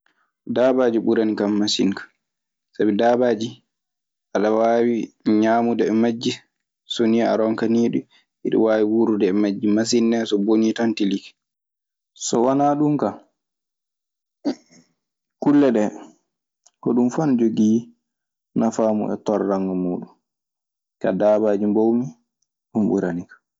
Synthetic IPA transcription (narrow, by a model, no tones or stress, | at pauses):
daːbaːd͡ʒiɓuɾanikamːasḭŋkḁ | sabidaːbaːd͡ʒi | ʔaɗawawiɲaːmudɛɛmad͡ʒːi | sonijaa̰ɾɔŋkaniːɗu | iɗɔ̰waːwiwuɾudɛːmad͡ʒːimas̬inːɛsɔbonitantilikɛ̥ | sɔwanaːɗumka | kulːɛɗɛ | kɔɗumfand͡ʒoɡi | nafaːmṵʔɛ̰tɔɾːaŋɡɔmuːɗun | kadaːbaːd͡ʒimbowmi | ɗumɓṵɾanikḁ